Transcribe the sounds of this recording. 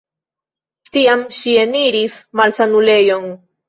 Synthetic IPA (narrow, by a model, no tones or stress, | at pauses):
tiamʃie̞niɾismalsanule̞jo̞n